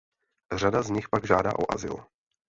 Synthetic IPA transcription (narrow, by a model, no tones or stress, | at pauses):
r̝adazɲɪxpaɡʒaːda̰ːʔo̰ʔa̰zɪ̰l